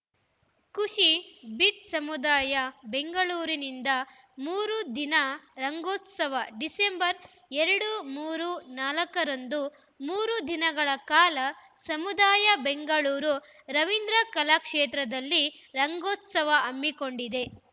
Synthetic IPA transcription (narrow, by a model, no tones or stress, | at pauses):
kuʂibiʈsɐmud̪aːjɐbe̞ŋɡɐɭuːɾinind̪ɐ | muːɾud̪inɐɾɐŋɡoːt̪sɐʋɐɖise̞mbɐɾ | eɾɐɽumuːɾunaːlɐkɐɾond̪u | muːɾud̪inɐɡɐɭɐkaːlɐ | sɐmud̪aːjɐbe̞ŋɡɐɭuːɾu | ɾɐʋind̪ɾɐkɐlaːkʂeːt̪ɾɐd̪ɐlːi | ɾɐŋɡoːt̪sɐʋɐʔɐmːiko̞ɳɖid̪e̞